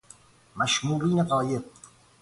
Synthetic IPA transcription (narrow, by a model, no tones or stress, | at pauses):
maʃmuːɾiːneqɑːje